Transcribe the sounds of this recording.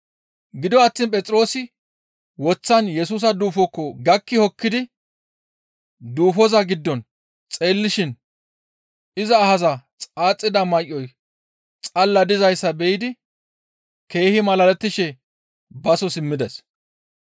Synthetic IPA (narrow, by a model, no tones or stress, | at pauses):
ɡɪd̪ɔɐt̪ːiːnpʼɛt͡sʼɪɾo̞ːsɪ | wɔt͡sːɐnjɛs̬uːs̬ɐd̪uːfɔkːɔɡɐkːɪhɔkːɪd̪ɪ | d̪uːfɔzɐɡɪd̪ːɔn | t͡sʼeːlːɪʃɪn | ɪzɐːhɐzɐt͡sʼaːt͡sʼːɪd̪ɐmɐjʔːɔj | t͡sʼɐlːɐd̪ɪzɐjsːɐbɛjɪd̪ɪ | ke̞ːhɪmɐlɐlɛt̪ːɪʃɛ | bɐsɔsɪmːɪd̪ɐs